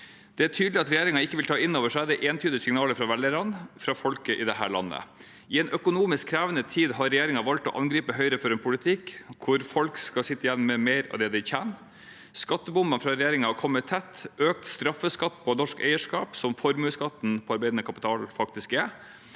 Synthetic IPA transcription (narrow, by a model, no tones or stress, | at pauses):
d̪̥ɛæʈʰyːd̪lɪɑt̪ɾɛjeːɾɪŋɑɪkːəʋɪlt̪ɑːɪnːoːʋəʂæd̪ɛʔeːnt̪ʰyːd̪əsɪŋnɑːləɾfɾɑʋɛləɾɑnfɾɑfɔlkəʔɪd̪ɛɦæ̰ːɭɑ̰nːə̰ | ɪɛnʔœkʊnuːmɪskʰːɾæːʋənət̪ʰiːd̪ɦɑɾɛjeːɾɪŋɑʋɑlt̪ɔ̰ʔɑnɡɾiːpəɦœʏɾəfɔɾɛnpʰʊlɪt̪ʰɪkːʰʊɾfɔlkskɑsɪt̪ːəjænmmɛmeɪɾɑ̰ʋd̪ɛːd̪ɪçæn | skɑt̪ːəbʊmbɑnfɾɑɾɛjeːɾɪŋɑhɑkʰɔmːət̪ʰːɛt̪ːʔøːk̚t̪st̪ɾɑfːəskɑt̪ːpʰɔnɔʂkɛ̰ɪəʂkɑːpsɔmfɔɾmʉːskɑt̪ːnpʰɔɑɾbɛɪd̪ənəkʰɑpɪ̥t̪ʰɑːlfɑk̚t̪ɪskɛ